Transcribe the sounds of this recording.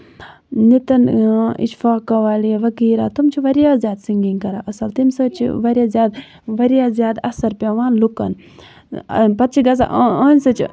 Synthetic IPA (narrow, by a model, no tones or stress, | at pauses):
nit̪ɐnḭt͡ʃfaːkɐʋaːliʋɐkiːɾa̰ːt̪umt͡ʃʰiʋɐɾjaːzjaːd̪siŋɡiŋkɐɾaːʔɐsɐlt̪imsɨt͡ʃʰḭʋɐɾjaːzjaːd̪ | ʋɐɾjaːzjaːd̪ɐsɐɾpeʋaːnlukɐ̰n | pɐt̪̚t͡ʃʰiɡɐs̬a̰ʔɐːnʲsɨt͡ʃʰi